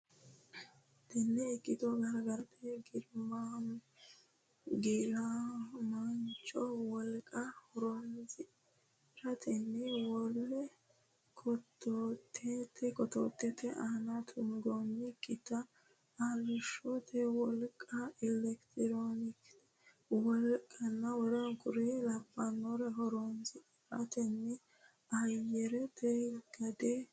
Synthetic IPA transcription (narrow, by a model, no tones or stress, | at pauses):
d̪̥ɛnːɛɪkʼːɪt̪ɔɡɐɾɡɐɾɐt̪ʰɛɡɪɾma | ɡɪɾamɐnt͡ʃʼɔwɔlkʼɐhʊɾɔnz | ɾɐt̪ɛnːɪwɔlːɛ | kʰɔt̪ʰːot̪ʰːɛt̪ɛkɔt̪o̰ːt̪ːɛt̪ɛʔɐhnɐt̪ʰʊŋɡonɪkʼːɪt̪ɐ | ɐlɪʃɔt̪ʰɛwɔlkʼːɐɪlɛkt̪ɪɾonɪkt̪ | wɔlkʼːɐnːɐwɔɾɐnkʊɾɛlɐpːɐnːɔɾɛɦɔɾonzɪ | ɾɐ̰t̪ɛnːɛ | ɐjɛɾɛt̪ɛɡ̥ɐd̪ɛ